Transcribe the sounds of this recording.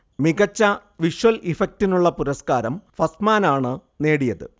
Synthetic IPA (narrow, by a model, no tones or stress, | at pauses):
miɣɐt͡ɕːɐʋiʂʋɐlifɐk̚tinuɭːɐpuɾɐskaːɾɐmfɐsmaːnaːɳɨne̞ːɽijɐðɨ̰